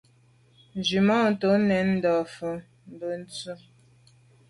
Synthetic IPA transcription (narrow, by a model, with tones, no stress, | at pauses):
n˨d͡ʒi˨mɔ˦˨n̩˨to˨˦nɛ˨˦nn̩˦dɔ˨fə˨ | m˦bə˨n̩˦t͡sə˦